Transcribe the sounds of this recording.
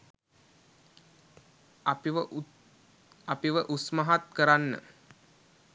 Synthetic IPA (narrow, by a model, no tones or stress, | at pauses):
apiʋəʔusməɦat̪kəɾanːə̰